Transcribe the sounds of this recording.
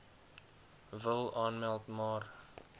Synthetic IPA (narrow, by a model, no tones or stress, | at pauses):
vəlˠɑːnmɛlˠtmɑːr